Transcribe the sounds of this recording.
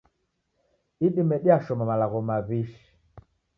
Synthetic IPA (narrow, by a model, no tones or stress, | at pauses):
iɗimɛɗiaʃɔmamalaɣɔmaβiʃi̥